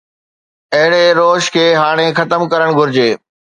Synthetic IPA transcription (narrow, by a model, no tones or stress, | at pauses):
ɐɦɪɽeɾoːʃkʰeːɦaːɽ̃exɐt̪əmkɐɾəɽ̃ɡʱʊɾɪd͡ʑeː